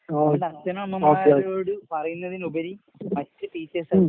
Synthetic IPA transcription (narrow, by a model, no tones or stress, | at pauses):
odɐt̪ːɐnɐmːɐmoːaːkːeɻo̞ːɽɨpɐrɐjunːɐðinubɐɾi | mɐtːɨpiːt͡ɕːesɐ